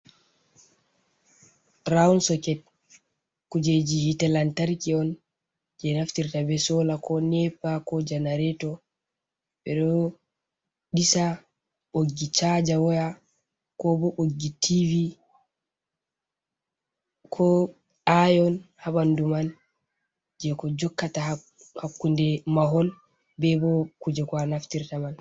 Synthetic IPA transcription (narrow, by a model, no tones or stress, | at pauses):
ɾaunsɔkɛt̚ | kud͡ʒed͡ʒihitɛlantaɾkiɔn | d͡ʒɛnaftiɾtabɛsɔlakɔnɛpːakɔd͡ʒanaɾɛtɔ | ɓɛɗɔ | ɗisa | ɓoɡːit͡ʃad͡ʒawɔja | kɔbɔʔoɡːitʰivi | kʰɔ | ajɔnhaɓanduman | d͡ʒɛkɔd͡ʒɔkːata | hakːundɛmaɦɔl | bɛbɔkud͡ʒɛkwanaftiɾtaman